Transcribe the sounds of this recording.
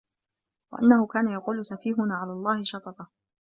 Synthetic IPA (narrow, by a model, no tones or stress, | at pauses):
wa̰ʔa̰nːahʊkaːnajɑquːlʊsafiːɦʊnaːʕalaːlˤːɑːhɪʃɑt̪ˤɑt̪ˤɑ